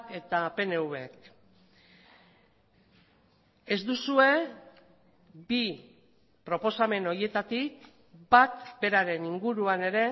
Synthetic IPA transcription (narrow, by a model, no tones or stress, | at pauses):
ke̞t̪ape̞ne̞uβe̞k | e̞zd̪usue̞ | bi | pɾo̞po̞same̞no̞ɾie̞t̪at̪ik | bat̪be̞ɾaɾe̞niŋɡuɾuane̞ɾe̞